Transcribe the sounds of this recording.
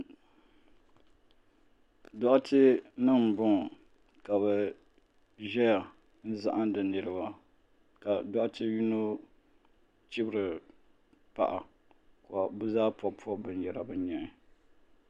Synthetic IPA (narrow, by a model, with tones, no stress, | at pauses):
dɔ˦ʔa˦tɪ˦nɨ˦m˨bʊ˦ŋ˨ | ka˨βɛ˨ | ʒɛ˦ja˨ | n̩˦za̰˦ʔa˦ndɨ˨nːɨ˨ɾɨ˦ba˦ | ka˨dɔ˦ʔa˦tʰɪ˦ju˦no˦ | t͡ʃi˦bɾɨ˨ | pa̰˨ʔa˨ | ka˨bɨ˦zaː˦pɔ˦pʰɔ˦bɨ˨n˨jɛ˨ɾa˨bɨ˨˦n˦ɲɛ˨nɪ˨